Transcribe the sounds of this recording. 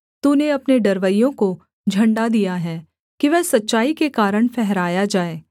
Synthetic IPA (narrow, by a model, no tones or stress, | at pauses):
t̪uneɐpneɖɐɾʋəjõko | d͡ʒʱɐ̃ɳɖad̪ijaɦɛː | kiʋɛsɐtːʃaːikekaːɾəɽ̃pʰɛɦɾaːjad͡ʒaːeː